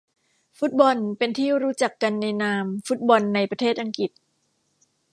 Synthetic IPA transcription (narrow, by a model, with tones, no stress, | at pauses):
fu˦˥t̪̚bɔ˧npe˧nt̪ʰiː˥˩ɾuː˦˥t͡ɕa˨˩kːa˧nːa˧jnaː˧mfu˦˥t̪̚bɔ˧nːa˧jpɾa˧t̪ʰeː˥˩t̪̚ʔa˧ŋki˨˩t̪̚